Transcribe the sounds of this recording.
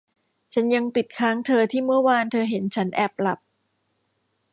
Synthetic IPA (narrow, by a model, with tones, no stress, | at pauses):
t͡ɕʰa˦˥nja˧ŋpi˨˩t̪̚kʰaː˦˥ŋt̪ʰɤː˧t̪ʰiː˥˩mɯ˥˩ɐwaː˧nt̪ʰɤː˧ɦe˩˦nt͡ɕʰa˦˥nʔɛ˨˩p̚la˨˩p̚